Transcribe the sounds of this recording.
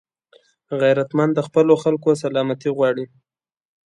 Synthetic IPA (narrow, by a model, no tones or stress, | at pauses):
ɣajɾat̪mand̪əxpəloxalkos̬alɑmat̪iɣwɑɽi